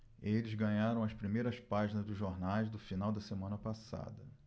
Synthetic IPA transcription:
elɪzɡɐ̃ɲaɾɐ̃w̃ɐspɾimejɾɐspaʒinɐzd̪ʊʒoɾnajzd̪ʊfinawd̪ɐsemɐ̃nɐpasa̰d̪ɐ

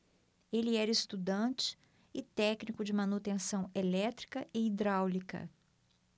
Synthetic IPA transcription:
elɪɛɾɐest̪ud̪ɐ̃t͡ʃɪ̥ | ɪt̪ɛknikʊd͡ʒɪmɐnut̪ẽsɐ̃w̃elɛt̪ɾikɐʔɪid̪ɾawlikɐ̰

